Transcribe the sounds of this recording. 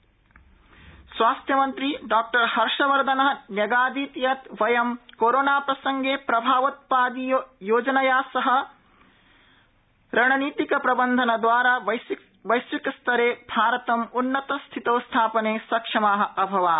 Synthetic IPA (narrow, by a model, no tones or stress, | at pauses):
sʋaːst̪ʰjɐmɐnt̪ɾiɖaːk̚ʈɐɾhɐɾʂɐʋɐɾd̪ʱɐnɐɦɐnjɐɡaːd̪iːt̪jɐt̪ʋɐjɐmkoːɾoːnaːpɾɐsɐŋɡeːpɾɐbʱaːʋɐt̪̚paːd̪ijojoːd͡ʒɐnɐjaːsɐɦɐ̆ | ɾɐɳɐniːt̪ikɐpɾɐbɐnd̪ʱɐnɐd̪ʋaːɾaː | ʋɐjsʋikɐst̪ʰɐɾeːbʱaːɾɐt̪ɐmunːɐt̪ɐst̪ʰit̪oːst̪ʰaːpɐneːsɐkʂɐmaːɦɐ̆ɐbʱɐʋaː